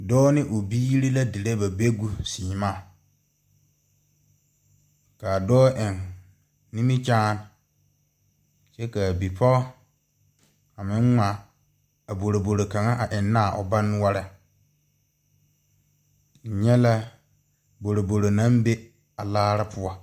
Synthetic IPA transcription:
dɔː˦nɪ̃˦ʔo˨biː˦ɾi˦la˦di˨le˦ba˨be˦ɡu˨siː˨ma˦˨ | ka˨dɔː˦ʔɪ̃˨n | nĩ˦mi˦t͡ʃaː˦n | sɛ˦ka˨bi˨pʰɔ˦ | a˨mɪ̃˨˦ŋ˦ŋʷa˨ | a˨bo˨ɾo˨bo˨ɾo˨ka˨ŋa˦ʔa˨ʔɪ˨nː˦a˦˨ʔɔ̰˨ba˦n˦wa˦ɾɛ˨ | ɲɛ˦la˦ | bo˨ɾo˨bo˨ɾo˨nã˦mbe˦ | a˨laː˦ɾa˦pʰʊ˦ɔ˦

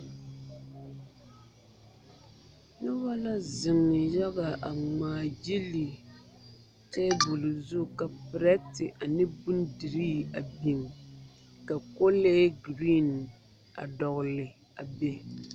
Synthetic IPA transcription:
nʊ˦ba˦la˦zɪ˨ŋ˨ja˦ɣa˨a˨ŋ͡maː˨d͡ʒe˦li˨ | tɛː˦bu˨lzʊ˦˨ka˨pɾɛ˦tɪ˨ʔa˨nɪ˦bu˦ndi˨ɾiː˦a˨bi˨ŋ | ka˨ko˦leː˦ɡɾi˦n | a̰˨dɔ˨ɣʊ˨lɪ˨ | a˨be˦

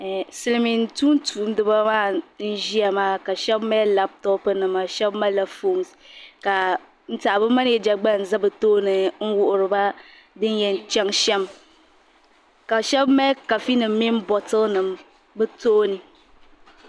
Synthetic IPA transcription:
sɨ˦lɨ˨mi˨n̩˦tuː˦ntu˨˦m˦dɨ˦ba˦maː˦n̩˦ʒi˦a˨maː˦ka˨ʃɛ˦bmɛ˦la˦p̚tɔ˦pɨ˦nɨ˨ma˨ʃɛ˦bma˦la˦fo˦˨ŋska˨ | n̩˦ta˨bɨ˦ma˦n˦ɛ˦˨d͡ʒa˨ɡ͡ba˦n̩˨za˦bɨ˨toː˦nɨ˨ŋ̩˦wʊ˦ʔʊ˨ɾɨ˨ba˦ | dɨ˦n˦jɛ˨n˨t͡ʃɛ˦ŋʃɛ˦m | ka˨ʃɛ˦bmɛ˦ka˨fi˦nɨ˨mː˦i˦m˦bɔ˨tɨ˦nɨ˨m | bɨ˦to˦nɨ˨

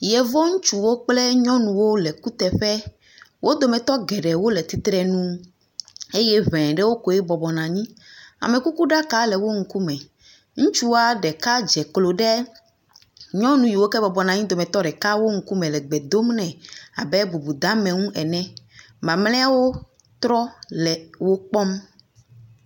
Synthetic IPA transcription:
jɛ˨vɔ˦ŋũ˦t͡ʃu˨wo˦k͡plɛ˦ɲɔ̃˦nũ˨wo˦lɛ˨ku˦t̪ɛ˨ɸɛ˦ | wo˦d̪o˨mɛ̃˨t̪ɔ˦ɡɛ˨ɖɛ˨wo˦lɛ˨t̪i˦t̪ɾɛ˨nũ˦ | e˦jɛ˦vɛ̃˨ɖɛ˦wo˦ko˨ɛ˦bɔ˨bɔ˨nã˨ɲĩ˦a̰˨mɛ̃˨ku˦ku˦ɖa˦ka˦lɛ˨wo˦ŋ̩˦ku˦mɛ̃˨ | ŋũ˦t͡ʃu˦wa˦ɖɛ˨ka˦d͡ʒɛ˨klo˨ɖɛ˦ | ɲɔ̃˦nũ˦ji˨wo˦kɛ˦bɔ˨bɔ˨nã˨ɲĩ˦d̪o˨mɛ̃˨t̪ɔ˦ɖɛ˨ka˦wo˦ŋ̩˨˦ku˦mɛ̃˨lɛ˨ɡ͡bɛ˨d̪o˦mnɛ̃˨a̰˨bɛ˦bu˨bu˨d̪ã˦mɛ̃˨ŋũ˦ʔɛ˨nɛ̃˦ | mã˨mlɛ̃˦a˦wo˦ | t̪ɾɔ˦lɛ˨wo˦k͡pɔ˦m

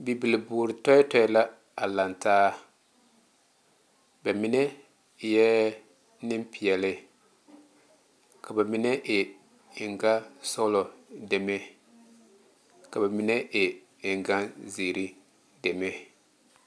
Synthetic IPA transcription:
bi˨bi˨lɪ˨buː˨ɾɪ˨tɔ˦ɛ˦tɔ˦ɛ˦la˦ | a˨la˨ntaː˦ | ba˨mɪ˦ne˦˨ | jɛ˦ | nɪ˦mpi˨ɛ˨lɪ˦ | ka˨ba˨mɪ˦ne˦ʔɪ˨ | ɪ˨ŋɡa˦so˦lɔ˨de˨me˦ | ka˨ba˨mɪ˦ne˦ʔɪ˨ | ɪ˨ŋɡa˦zi˨ɾi˦ | de˨me˦

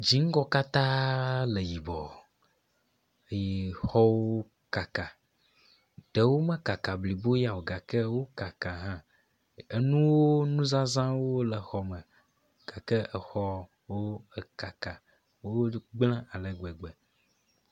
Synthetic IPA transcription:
d͡ʒi˨˦ŋ̩˦ɡɔ˦ka˦t̪ã˦le˨ji˨bɔ˨ | e˨je˨xɔ˦wo˦ | ka˨ka˨ | ɖ̥e˨wo˦mɛ̃˦ka˨ka˨bli˨bo˦ja˨wo˨ɡa˨kɛ˦wo˦ka˨ka˨ɦã˦ | e˨nũ˦wo˦nũ˦zã˦zã˦wo˦lɛ˨xɔ˨mɛ̃˨ | ɡ̥a˨kɛ˦ɛ˨xɔ˦ | wo˦e˨ka˨ka˨ | wo˦ɡ͡blã˦a˨lɛ˨ɡɛ˨ɡ͡bɛ˨

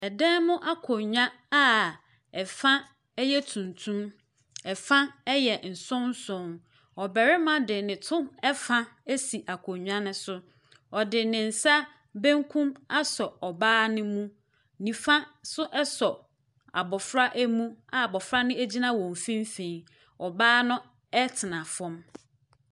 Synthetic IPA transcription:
ɛ˨dɛ̃˦mʊ̃˦ʔa˦kʰɔ˨ɲᶣã˦ | a˦ | ɛ˨fã˦ | ɛ˦jɛ˦tʰũ˨ntʰũ˦m | ɛ˨fã˦ɛ˦jɛ˨n̩˨sʊ̃˦n̩˦sʊ̃˦˨n | ɔ˨bɛ˨ɾɪ˦mã˨dɪ˨nɪ̃˨tʰʊ̃˦mɛ˦fã˦æ˦si˨ʔa˨kʰɔ˨ɲᶣ˦ã˦nɪ̃˦sʊ˦ | ɔ˨dɪ˨nɪ̃˨n̩˨sa˦ | bẽ˦ŋkʰũ˦ma˦sɔ˨ɔ˨baː˦nɪ̃˦mũ˦ | nĩ˨fã˦sʊ˦ʔɛ˦sɔ˨ | a̰˨bɔ˨fɾa˦ʔæ˦mũ˦a˨a˨bɔ˨fɾa˦nʊ̃˦æ˦d͡ʑi˦nã˦wɔ̃˨m˨fĩ˦m˦fẽ˨ | ɔ˨baː˦nʊ̃˦ | ɛ˦tʰɪ˨nã˨fɔ̃˦m

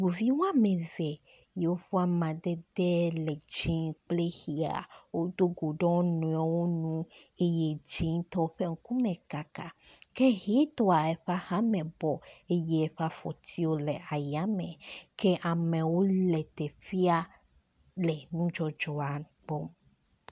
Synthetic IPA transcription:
ɡo˨vi˦wa˦mɛ̃˨zɛ˨ | je˨wo˦ɸo˦a˦˨mã˨d̪ɛ˦d̪ɛ˦lɛ˨d͡ʒĩ˦ŋk͡ple˦xi˨a̰˨wo˦d̪o˦ɡo˨ɖɔ̃˦nũ˨a˨wo˦nũ˦e˦je˦d͡ʒĩ˦ŋt̪ɔ˦ɸe˦ŋ̩˦ku˦mɛ̃˨ka˨ka˨ke˦ɦi˨˦t̪ɔ˦a˨ɛ˨ɸa˦hã˦mɛ̃˨bɔ˨e˦jɛ˦ɛ˨ɸa˦fɔ˨t̪i˦wo˦lɛ˨ʔa˨ja˦mɛ̃˨ke˦ʔa˨mẽ˨wo˦lɛ˨t̪ɛ˨fi˦a˦ | lɛ˨nũ˦d͡ʒɔ˦d͡ʒɔ˦a˨ | k͡pɔ˦m

